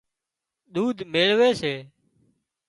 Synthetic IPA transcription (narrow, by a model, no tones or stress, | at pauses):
ɗ̪uːd̪ʱmeːɭʋeːseː